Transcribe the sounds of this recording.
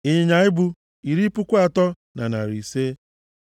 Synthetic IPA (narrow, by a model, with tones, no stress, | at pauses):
ɪ˨ɲɲa˨˦ɪ˦bu˦ | i˨ɾi˦pʊ˦kʷa˨tɔ˦ | na˨na̰˨ɾi˨se˦